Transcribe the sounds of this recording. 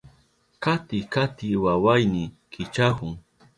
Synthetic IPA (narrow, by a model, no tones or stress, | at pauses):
kat̪ɪkat̪ɪwawajnɪ | kʰɪt͡ʃahʊŋ